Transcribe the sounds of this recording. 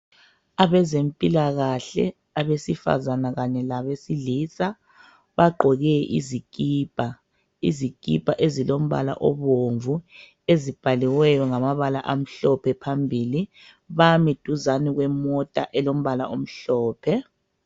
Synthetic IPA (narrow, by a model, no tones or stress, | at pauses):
aβɛzempʼilaɣaɬɛ̰ | aβesifa̰zanaɣaɲɛlaβesiliːsa | βaɡ͡ǃʱɔɣɛʔḭzikʼiːb̥ʱa | ḭzikʼḭb̥ʱaʔezilom̩βa̰la̰ʔɔ̰βoɱvu | ezib̥ʱaliwɛjɔŋamaβalaʔam̩ɬɔpʰɛpʰambʱiːli | βamid̥ʱuzaniɣwɛmɔtʼa̰ʔɛlom̩βalaom̩ɬɔːpʰɛ